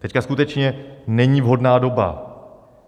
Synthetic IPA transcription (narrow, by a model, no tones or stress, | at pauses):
t̪ɛckaskut̪ɛt͡ʃɲɛnɛɲiːvɦo̞dnaːdo̞ba̰